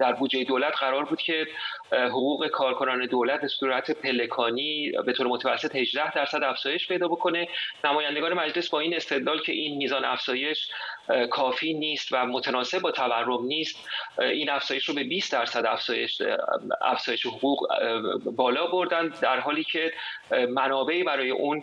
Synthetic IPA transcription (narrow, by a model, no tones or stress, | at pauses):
d̪̥æɾbuːd͡ʒejed̪olæt̪ʰɢæɾɒːɾbuːd̪̥cʰe̞ɦoɣuːɣe̞kʰɒːɾkʰo̞nɒːne̞d̪olæt̪̚ʰbesuːɾæt̪ʰepʰe̞le̞kʰɒːniːbe̞t̪ʰoːɾemot̪ʰævæsːe̞t̪he̞ʒd̪æhd̪æɾsæd̪æfz̥ɒːje̞ʃpʰe̞jd̪ɒːbo̞kʰo̞ne̞næmɒːjænd̪eɡɒːnemæd͡ʒle̞sbɒːiːne̞st̪e̞d̪lɒːlcʰe̞̰ʔiːnmiːzɒːnæfz̥ɒːje̞ʃkʰɒːfiːniːst̪væmot̪ʰenɒːse̞b̚bɒːt̪ʰæværːo̞mniːst̪iːnæfz̥ɒːje̞ʃɾobe̞biːst̪̚d̪æɾsæd̪æfz̥ɒːjeʃ | æ̰fz̥ɒːje̞ʃeɦoɣuːɣ | bɒːlɒːbo̞ɾd̪ænd̪d̪æɾɦɒːliːcʰe̞mænɒːbe̞ʔiːbæɾɒːje̞̰ʔuːn